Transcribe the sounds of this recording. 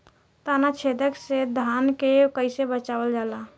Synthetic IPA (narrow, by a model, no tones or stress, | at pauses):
t̪aːnat͡ʃʰed̪əksed̪ʱaːnkekəɪsebət͡ʃaːwəld͡ʒaːla